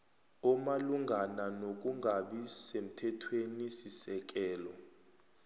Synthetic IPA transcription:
umaluŋɡʱananok̬uŋʱaɓisem̩tʰɛtʰwenisisɛk̬ɛːlɔ

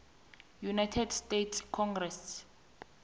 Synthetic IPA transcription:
junajtʰɛdstetʰskʰɔŋɡrɛs

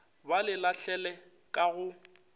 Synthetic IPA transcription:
balɪlaɬɛlɛ | kʼaɣʊ

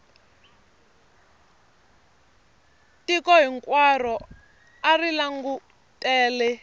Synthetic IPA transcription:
tikɔɦiŋkwarɔ | arilaŋɡu | tʼɛːlɛ

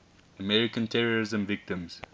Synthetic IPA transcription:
əmɛɹɪkə̃ntʰɛɹəɹɪzə̃mvɪk̚tɪ̃mz̥

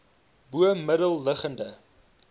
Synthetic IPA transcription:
buəmədəlˠːəχəndə

